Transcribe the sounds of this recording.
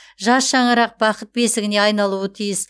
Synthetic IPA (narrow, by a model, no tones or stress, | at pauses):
ʒɑsʃɑɴəɾɑq̚bɑqət̪̚be̞sɪɡʲɪne̞ɑjnɑlˠuət̪ʰijɪs